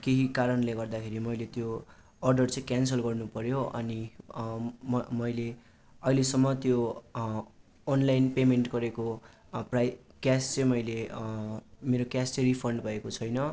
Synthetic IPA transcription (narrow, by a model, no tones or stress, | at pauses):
keɦikaɾʌnleɡʌrd̪akʰeɾimʌjlet̪jo | ʌrɖʌrt͡sʌ̃j̃kjans̬ʌlɡʌrnupʌɾjoʔʌ̰ni | mmʌjle | ʌilesʌmːʌt̪jo | nlajnpemenʈɡʌɾeko | praj | kjast͡sʌ̃j̃mʌjle | meɾokjast͡sʌripʰʌɳɖbʱʌekot͡sʰʌjnʌ